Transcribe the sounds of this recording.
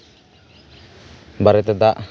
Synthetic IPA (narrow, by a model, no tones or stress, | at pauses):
baɾɛt̪ɛd̪aʔ